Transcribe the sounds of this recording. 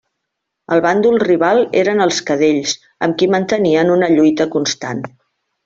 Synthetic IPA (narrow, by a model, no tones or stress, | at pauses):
əlˠβand̪ulˠriβ̞alˠḛɾənəlˠskəð̞eʎs | ə̰mkimənt̪əniənunəʎujt̪əkunst̪an